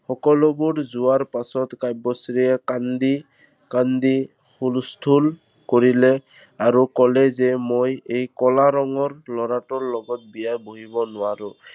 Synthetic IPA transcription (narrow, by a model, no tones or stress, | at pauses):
xɔkɔlɔbuɹzʊwaɹpasɔtkajbɔsɹiɛkand̪i | kand̪i | xulstʰul | koɹilɛ | aɹukɔlɛzɛmojejkɔlaɾɔŋɔɹlɔɹatɔɹlɔɡɔt̚bijajboɦibɔnʊwaɹʊ